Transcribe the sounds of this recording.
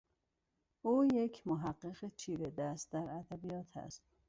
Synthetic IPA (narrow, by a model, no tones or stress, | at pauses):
ʔuːjecʰmoɦæɢːeɣet͡ʃʰiːɾed̪æst̪̚d̪æɾæd̪æbijɒːt̪ʰæ̰st̪